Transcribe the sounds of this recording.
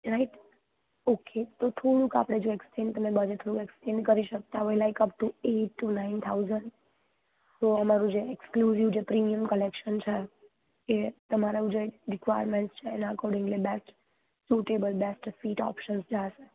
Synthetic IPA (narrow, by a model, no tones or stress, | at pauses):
ɾaiʈ | okʰet̪ot̪ʰoɽũka̰pɽ̃ed͡ʒoeksʈẽnt̪əmebəd͡ʒet̪ʰoɽũkɛksʈẽnɖkəɾiʃək̚t̪aɦɔjlajkəp̚ʈueʈːunaint̪ʰauzəɳɖ | t̪oəmaɾũd͡ʒeekskluziʋd͡ʒepɾimiəmkəlekʃənt͡ʃʰe | et̪əmaɾaũd͡ʒeɾikʋajəɾmẽɳʈst͡ʃʰeɛnəkɔɾɖɪ̃ŋɡlibɛsʈ | suʈebəlbesʈfiʈɔ̰pʃənsd͡ʒaʃe